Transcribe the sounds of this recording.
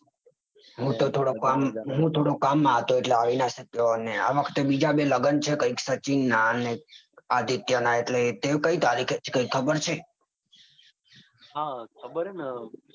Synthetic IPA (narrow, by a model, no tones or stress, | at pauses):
ɦũt̪ot̪ʰoɽokamɦũt̪ʰoɽokamːãɦət̪oeʈleaʋinaʃəkjonea̰ʋəkʰt̪ebid͡ʒabeləɡənt͡ʃʰekəiksət͡ʃinːane | ad̪it̪jənaeʈlet̪ekəit̪aɾikʰet͡ʃkəikʰːəbəɾt͡ʃʰe | ɦakʰəbəɾna